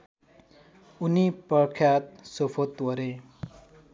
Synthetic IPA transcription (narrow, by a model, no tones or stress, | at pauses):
unipʌkʰjat̪̚sopʰot̪wʌɾe